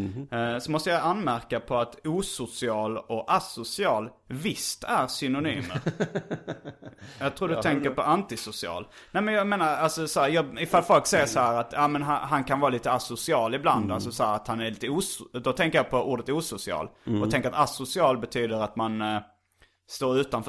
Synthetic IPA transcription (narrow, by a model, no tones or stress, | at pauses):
sɔmɔst̪əjaanmæɾkapʰɔat̪uːsʊsɪɑːlɔasʊsɪɑːl | vɪst̪æɾsʏnʊnyːmə̰ɾ | jɑɡt̪ʰɾuːdɵɛŋkəɾpɔʔant̪ɪsʊsɪɑ̰ːlnɛɪmɛnjɑmeːnaɾalsɔsɔhæːɾjɑːɪfalfɔlksɛjəʂɔhæːɾat̪jɑmɛnɦaɦankʰanvɑːliːt̪əasʊsɪɑːlɪbla̰nd̪alsɔsɔhæːɾat̪hanæɾliːt̪əuːsd̪ɔt̪ʰɛŋkəɾjɑːpʰɔʔuːɖət̪uːsʊsɪɑ̰ːlɔt̪ʰɛŋkəɾat̪asʊsɪɑːlbɛt̪ʰyːd̪əɾat̪man | st̪oːɾʉ̟ːt̪anf